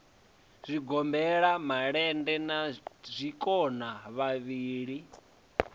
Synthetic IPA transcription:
z̥ʷiɡɔmbɛɺamaɺɛndɛnazʷikʼɔnaβaβiːɺi

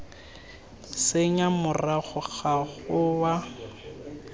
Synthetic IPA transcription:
seɲamʊraɣʊɣaɣʊwa

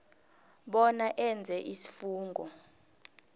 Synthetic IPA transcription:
ɓɔnaʔɛnd͡zʱɛʔisi̥fuːŋɡʱɔ

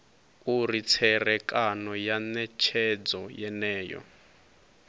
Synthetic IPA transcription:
urit͡sʰɛrɛkʼanɔjanɛt͡ʃʰɛd͡zɔjɛnɛːjɔ̰

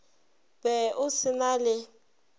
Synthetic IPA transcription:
bɛʔʊsɪnalɪ

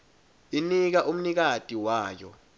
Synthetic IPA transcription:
inik̬aʔum̩nik̬atʼiwaːjɔ̰

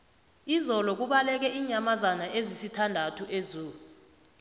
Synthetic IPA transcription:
izɔlɔk̬uɓalɛk̬ɛʔiːɲamazanaʔezisitʰandʱatʰuʔezuːlu

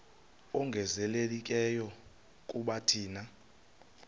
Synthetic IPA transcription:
ɔŋɡʱɛzɛlelik̬ʼɛjɔ | kʼuɓatʰiːna

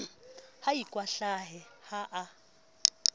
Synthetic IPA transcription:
hajikʼwaɬaɦɛhaʔa

